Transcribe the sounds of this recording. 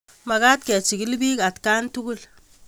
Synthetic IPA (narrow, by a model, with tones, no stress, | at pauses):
ma˨ka˦t̚kɛ˨t͡ʃi˨ki˦lbi˦ka˨tkantuku˦l